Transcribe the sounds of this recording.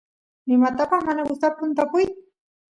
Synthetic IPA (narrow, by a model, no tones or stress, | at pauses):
nɪmat̪apɑχmanaɡʊst̪ap̚pʊnt̪apʊj